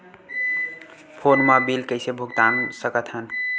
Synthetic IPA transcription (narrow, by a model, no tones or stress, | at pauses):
pʰonmabilkəɪsebʱuɡt̪ansəkət̪ɦən